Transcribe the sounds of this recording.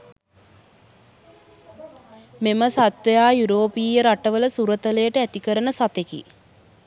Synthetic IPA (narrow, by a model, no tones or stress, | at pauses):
meməsat̪ʋejaːjuɾoːpiːjəɾaʈəʋələsuɾət̪əlejəʈəæt̪ikəɾənəsat̪ekḭ